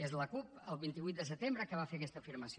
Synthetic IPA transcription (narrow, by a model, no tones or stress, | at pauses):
ezləkup̚əlˠβint̪iβuit̪d̪əsət̪embɾəkəβ̞afeəkɛst̪əfiɾməsio